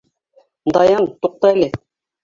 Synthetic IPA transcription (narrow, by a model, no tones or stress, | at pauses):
d̪ɑjɑnt̪uq̚t̪ɑjle